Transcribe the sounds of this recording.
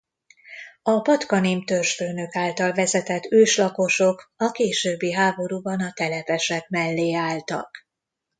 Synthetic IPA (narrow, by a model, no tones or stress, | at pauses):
ɒpɒt̪kɒneːmt̪ørʃføːnøkaːlt̪ɒlvɛzɛt̪ɛt̪ːøːʃlɒko̞ʃo̞kɒkeːʃøːbːiɦaːbo̞ɾuːbɒnɒt̪ɛlɛpɛʃɛkmɛlːeːaːlt̪ɒ̰k